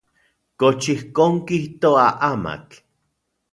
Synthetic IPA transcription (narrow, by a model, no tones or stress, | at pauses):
kot͡ʃihkoːŋkiht̪oaʔama̰k